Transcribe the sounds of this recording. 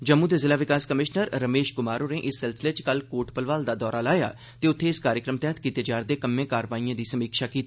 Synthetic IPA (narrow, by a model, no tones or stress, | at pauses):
d͡ʒəmːũːd̪eːzɪlaːʋɪkaːskəmɪʃnəɾːəmeːʃkʊmaːɾoːneːʔɪsːɪlsɪleːt͡ʃkəlkoːʈpəlʋaːld̪aːd̪ɔːɾaːlaːja̰ː | t̪eːʊt̪ʰːeːɪskaːɾjəkɾəmt̪ɛːt̪kiːt̪eːd͡ʒaːɾd̪eːkəmːẽːkaːɾəʋaːijãːd̪iːsəmiːkʃaːkiːt̪ː